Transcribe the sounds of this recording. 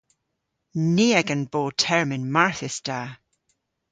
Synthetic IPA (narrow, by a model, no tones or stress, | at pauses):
niːəɡə̃nboːtʰɛɹmɪnmaɹθɪsd̥aː